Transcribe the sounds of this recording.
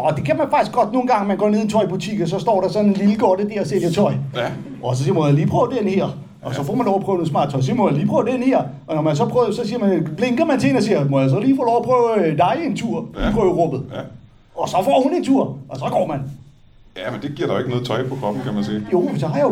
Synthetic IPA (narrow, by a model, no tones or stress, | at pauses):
ɒd̥e̝kʰæmænfɑ̈ɡ̥isɡ̥ɒ̽d̥no̝ːn̩ɡɑ̈ŋmænɡɒ̰ːne̝ð̞̰ˠit͡sʰɒɪb̥ut͡sʰḭɡ̥̩ˠsɒ̽sd̥ɒ̰ːɾɑ̈sɒ̽nenliləɡ̥ɒɾəd̥eɐseljɐt͡sʰɒɪ | ʔɒs̬ɒ̽siɐmojaliːpʰʁœːʊəd̥enheɐ̰ | ʔɒsɒ̽fɒ̰ːmænlɒʊɐpʰʁœːʊnosmɑ̰̈ːd̥̚ˠt͡sʰɒ̽ɪs̬iɐmɔjaliːpʰʁœːʊd̥enheɐ̰ | ɒ̽nɒmænsɒ̽pʰʁœʊsɒ̽siːɐmænb̥le̝ŋɡ̥ɐmænt͡sʰeenɒ̽s̬iːɐmɔjas̬ɒ̽liːfɒ̰ːlɒʊɐpʰʁœːʊd̥ɑ̈ɪe̝nt͡sʰuɐ̰ipʰʁœːʊəʁɔb̥ð̩ˠ | ɒ̽sɒ̽fɒ̰ːhune̝nt͡sʰuɐ̰ʔɒ̽sɒ̽ɡ̥ɒ̰ːmæn | jæmend̥e̝ɡ̥iɐ̰ɾɑ̈joeɡ̥ənɔːð̩ˠt͡sʰɒɪpʰɒ̽kʰʁɒ̽b̥n̩kʰæmænsḭːjo̝mensɒɦɑ̈jao